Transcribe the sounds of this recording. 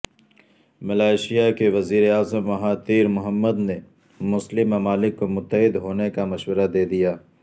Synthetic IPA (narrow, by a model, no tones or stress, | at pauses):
mɐlaːɪʃijakeʋɐziːɾeaːzəmʋɐɦaːt̪iːɾmʊɦəmːəd̪ne | mʊslɪmːɐmaːlɪkːomʊt̪ːəɦɪd̪ɦoːnekamɐʃwəɾad̪eːd̪ijaː